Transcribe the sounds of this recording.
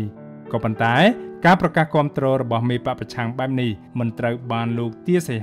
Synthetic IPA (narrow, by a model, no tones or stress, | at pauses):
kɑːpont̪aɛkaːprɑkaːhkŏəmt̪rɔːɾɔɓɑhmeːpaʔprɑt͡ɕʰaŋɓaɛp̚nihmɨnt̪rəwɓaːnloːk̚t̪iəse